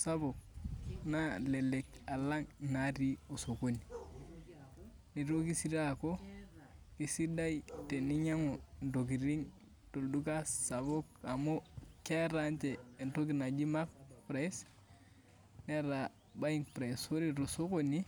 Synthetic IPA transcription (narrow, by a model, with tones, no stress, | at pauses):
sa˦bo˨k̚na˦le˨le˨ka˨la˦ŋna˨ɾi˦o˨so˨ko˦ni˨ | ni˨ɾo˦ki˦si˦da˦ko˦ | ki˨si˦da˦jte˨ni˦ɲa˦ŋo˨ndo˨k̬i˨ɾi˦ŋ | to˨ldu˦ka˦sa˨bo˦ka˨mo˦ke˦ɾa˦nt͡ʃeː˨nto˦ki˨na˨d͡ʒi˦ma˦kpɾa˨˦s | ne˦ɾa˨ | ba˦i˦ŋpɾa˨so˦ɾi˨ɾo˨so˦ko˦ni˦